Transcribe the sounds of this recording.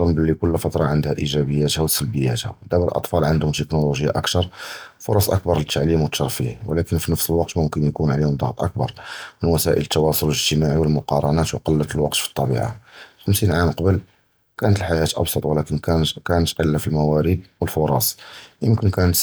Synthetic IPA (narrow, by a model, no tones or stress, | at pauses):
ɑmbəlːikʊlːfɑt̪ɾˤɑʕənd̪hæʔiʒæbəjːæt̪hæwsəlbəjːæt̪hæ̰d̪æbəlʔɑ̰t̪ˤfɑlʕənd̪hʊmt̪əknuluʒjːa̰ʔæk̚t̪ɑɾˤfʊɾˤɑsˤʔə̰kbɑɾˤət̪ːaʕlimwət̪ʃɑɾˤfihwəlækənfinəfsəlwɑq̚t̪mʊmkənjkunʕalihʊmd̪ˤɑɣt̪ˤʔə̰k̚bɑ̰ɾˤmənwæsæʔə̰lət̪ːɑwɑsˤʊlələʒt̪əmaʕiwəlmʊqɑɾˤɑnæt̪wqɑlːət̪əlwɑqt̪fi̥t̪ˤːɑbḭʕa̰xəmsinʕamqɑbəl | kænət̪əlħaʒæt̪ʔɑ̰bsˤɑt̪ˤwəlækənkænət̪qəlːafilmæwæɾid̪̚wəlfʊɾˤɑ̰sˤʔəmkənkænət̪